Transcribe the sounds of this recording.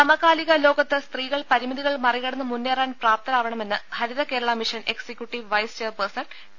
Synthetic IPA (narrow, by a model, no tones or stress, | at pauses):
t̪ɐmɐɣaːliɣɐlo̞ːɡɐt̪ːest̪riːɣɐɭpɐɾimɐðiɣɐɭmɐriɣɐɽɐnːɨmunːeːraːnpraːpt̪ɐɾaːʋɐɳɐme̞nːɨhɐɾiðɐke̞ːɾɐɭamiʂɐne̞ksekʲjuʈːiʋʋɐjst͡ɕeːrpersɐɳɖ